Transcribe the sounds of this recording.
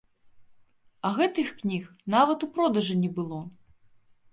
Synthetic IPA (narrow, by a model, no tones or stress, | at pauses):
ɐɣɛt̪ɨxknʲix | navɐt̪upɾɔd̪ɐʐɨnʲɛbɨlˠɔ